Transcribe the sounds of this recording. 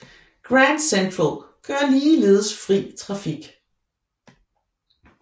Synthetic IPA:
ɡ̥ʁænd̥sendfolɡ̥ɶɐ̰liːle̝ːðˠəsfʁḭːt͡sʰʁɑ̈fiɡ̥

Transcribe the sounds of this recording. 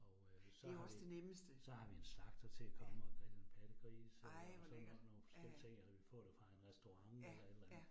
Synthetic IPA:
ɒ̽ | sɒɒsd̥eneməsd̥əsɒ̽hɑ̈ʋienslɑ̈ɡ̥̚d̥ɐt͡sʰe̝lækʰɒ̽məɒɡ̥ed̥enb̥ʰæd̥əɡ̥ʁḭːssɔno̝ːn̩fɒ̥sel̰it͡sʰe̝ŋ̰ælæʋifɔ̰̽ːd̥efʁɑ̈enʁɛsd̥o̝ʁɑ̈ŋelɐed̥læn̩ˠ

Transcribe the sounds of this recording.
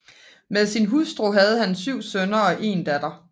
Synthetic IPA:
meðˠsinɦusd̥ʁo̝ɦɛð̞ˠhænsyʊ̰sønɐɒ̽ʔe̝̰ːnd̥æd̥ɐ

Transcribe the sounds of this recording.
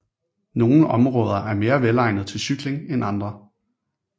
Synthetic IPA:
no̝ːn̩ɒ̽mʁɔ̽ːð̞ˠɐʔæɐme̝ːɐʋelɑ̈ɪnəð̞̩ˠt͡sʰe̝lsyɡ̥le̝ŋenɑ̈nd̥ʁɐ

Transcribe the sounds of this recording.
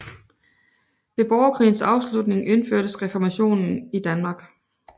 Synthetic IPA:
b̥e̝b̥ɒʊɐkʰʁḭːn̩sɑ̈ʊslud̥ne̝ŋʔe̝nføɐ̰ɾ̥əsʁɛfɒmæɕo̝̰ːnn̩id̥ænmɑ̈ːɡ̥

